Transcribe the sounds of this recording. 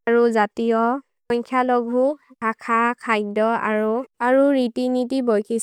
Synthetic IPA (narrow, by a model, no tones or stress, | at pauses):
aɹuzatijɔ | ɔɲkʰjalɔɡʱuakʰakʰajdɔa̰ɹuaɹuɹitinit̬ibɔjkʰis